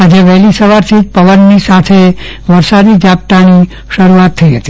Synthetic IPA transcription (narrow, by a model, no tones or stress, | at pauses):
ad͡ʒeʋɛɦlisəʋaɾt̪ʰid͡ʒpəʋənːisat̪ʰe | ʋəɾsad̪id͡ʒap̚t̪ani | ʃəɾuat̪ʰːəiɦət̪i̥